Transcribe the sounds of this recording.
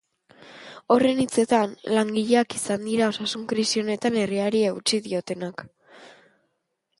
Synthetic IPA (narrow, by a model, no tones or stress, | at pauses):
o̞re̞nit͡se̞t̪anlaŋɡiʎe̞akisand̪iɾao̞sasuŋkɾisio̞ne̞t̪ane̞riaɾieut͡siðio̞t̪e̞nak